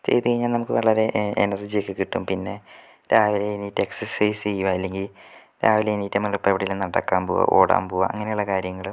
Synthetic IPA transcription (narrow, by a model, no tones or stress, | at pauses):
t͡ɕe̞̰jt̪ːɨkɐɻiɲːaːnnɐmukːɨʋɐɭɐɾe̞ʔḛnɐrd͡ʑijokːɨkiʈːumpinːe̞ | ɾaːʋileiniːtːɨeksɐrsɐjst͡ɕejːuʋaːjilːe̞ŋɡil | ɾaːʋileiniːtːɐmːɐɭupːeʋiɽɐjilumnɐɽɐ̰kːaːmpoːʋa̰ʔo̰ːɽa̰ːmpoːʋa̰ɐŋːɐne̞juɭːɐkaːɾjɐŋːɐɭ